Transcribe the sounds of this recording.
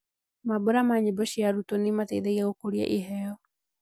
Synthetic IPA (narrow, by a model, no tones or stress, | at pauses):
mabʊɾamaɲebɔɕiaɾutɔnematḛðɛɣiɛɣokoɾia̰ʔiɦɛjɔ